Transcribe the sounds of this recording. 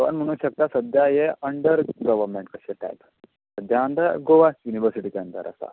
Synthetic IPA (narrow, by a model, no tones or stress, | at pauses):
ʋɐ̰nmɐñũɕɐk̚t̪asɐd̪ʱjaːjeɐɳɖəɾɡɐʋɐɾmeɳʈkɐʃeʈa̰jp | sɐd̪ʱjand̪aɡoʋajuniʋəɾsiʈikeɐnt̪ɐ̰ɾʔɐ̰st̪a̰